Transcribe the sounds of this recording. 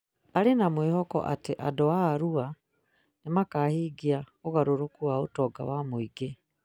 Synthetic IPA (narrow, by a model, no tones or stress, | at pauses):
aɾenamweːhɔkɔ̰ʔa̰teʔadɔaːɾua | nemakaːhiːɡiaɔɣaɾoɾokuwaotɔːɡa̰wamoiɡe